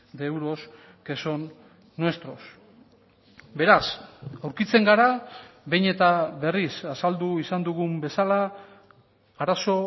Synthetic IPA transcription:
d̪e̞wɾo̞s | keso̞nː | oest̪ɾo̞s | be̞ɾasawɾkit͡se̞ŋɡaɾaβe̞jɲe̞t̪aβe̞risasald̪uisand̪uɣumbe̞sala | aɾaso̞

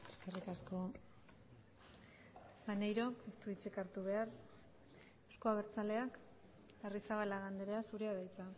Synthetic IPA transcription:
eskerikasko̞ | manejɾo̞kest̪uit͡sikaɾt̪uβ̞e̞aɾ | eskoaβ̞e̞ɾt͡sale̞ak | arisaβalaɣand̪eɾeasuɾeaðajt͡sa

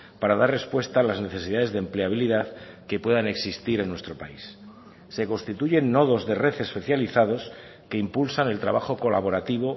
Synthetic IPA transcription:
paɾaðaɾre̞spwe̞st̪aːlazne̞θe̞siðaðe̞zðempleaβiliðaðkepwe̞ðane̞ksist̪iɾe̞nːwest̪ɾo̞paisː | e̞ko̞nst̪it̪uʝe̞nːoð̞o̞zðe̞re̞θespe̞θjaliθað̞o̞s | ke̞impulsane̞lt̪ɾaβaxo̞ko̞laβo̞ɾat̪iβ̞o̞

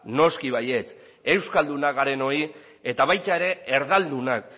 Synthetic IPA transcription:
no̞skiβaje̞t͡s | e̞wskald̪unaɣaɾe̞no̞i | e̞t̪aβ̞ajt̪aeɾe̞eɾðald̪unak

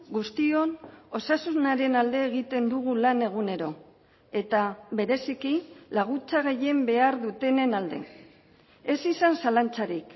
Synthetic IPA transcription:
ɡust̪io̞no̞sasunaɾe̞nald̪e̞ːɣit̪e̞nd̪uɣ̞ulane̞ɣ̞une̞ɾo̞ | e̞t̪aβe̞ɾe̞sikilaɣ̞ut͡saɣ̞e̞je̞mbe̞aɾðut̪e̞ne̞nald̪e̞̰ | e̞sisansalant͡saɾik

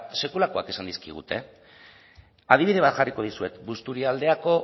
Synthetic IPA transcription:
se̞kulako̞ake̞sand̪iskiɣ̞ṵt̪e̞ | að̞iβiðe̞βat̪ʝariko̞ð̞isue̞t̪bust̪uɾiald̪e̞ako̞

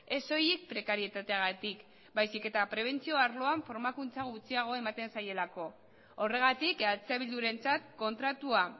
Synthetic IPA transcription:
e̞so̞jik̚pɾe̞kaɾie̞t̪at̪eaɣ̞at̪ik | bajsike̞t̪apɾe̞β̞e̞nt͡sio̞aɾlo̞aɱfo̞ɾmakunt͡saɣut͡siaɣ̞o̞e̞mat̪e̞nsaje̞lako̞ | ore̞ɣ̞at̪ikalt͡seβ̞ild̪uɾe̞nt͡sat̪ko̞nt̪ɾat̪ua

